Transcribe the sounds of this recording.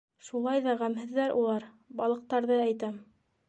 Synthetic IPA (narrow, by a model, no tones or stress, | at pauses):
ʃulˠɑjðɑʁæmɦɘ̆ðːæɾʔṵlˠɑɾ | bɑlˠɤ̆q̚t̪ɑɾðɤæjt̪æm